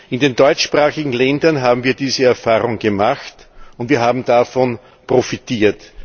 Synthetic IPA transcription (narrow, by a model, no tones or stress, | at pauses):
ɪndeːndɔʏt͡ʃʃpʁaːxɪɡŋ̩lɛndɐnɦaːbm̩viːɐdiːzəɛɐfaːʁʊŋɡ̥əmaxtʊntviːɐɦaːbm̩dafɔn | pʁ̥ofitiːɐt